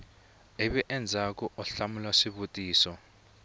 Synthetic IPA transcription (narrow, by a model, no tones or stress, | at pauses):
eβiʔɛnd͡zʱakɔʔɔɬamulaʂiβutʼiːsɔ